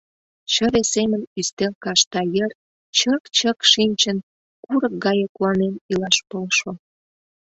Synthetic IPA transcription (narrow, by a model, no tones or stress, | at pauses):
t͡ɕəβesemənyst̪elkɑʃt̪ɑjər | t͡ɕəkt͡ɕəkʃinʲt͡ɕən | kuɾək̚ɡɑjəkuɑnenilɑʃpolʃo